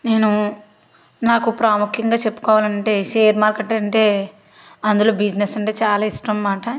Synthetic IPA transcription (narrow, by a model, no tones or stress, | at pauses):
ne̞ːnu | naːkupɾaːmukʰjɐŋɡaːt͡ʃe̞pːu̥kɔːʋaːlɐnɳʈe̞ːʃeːɾmaːɾkɐɳʈːɐɳʈe̞ː | ɐnd̪ulo̞ːbid͡ʒnesɐɳʈe̞ːt͡ʃaːlaːiʂʈɐmːaːʈɐ